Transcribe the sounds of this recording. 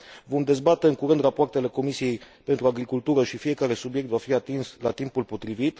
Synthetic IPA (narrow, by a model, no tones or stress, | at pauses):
vo̞md̪e̞zbat̪e̞ɨŋkuɾɨnd̪rapoart̪e̞le̞ko̞misije̞j | pe̞nt̪ɾuaɡɾikult̪uɾəʃifije̞kaɾe̞subje̞k̚t̪vafiat̪inslat̪impulpo̞t̪ɾivit̪